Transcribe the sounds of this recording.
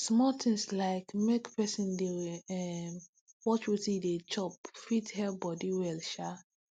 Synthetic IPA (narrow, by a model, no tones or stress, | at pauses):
smɔtɪ̃ŋslaɪkmekpʰɛsĩndeɛm | wɔt͡ʃwitidet͡ʃɔp̚fithɛlbɔdiwɛlʃa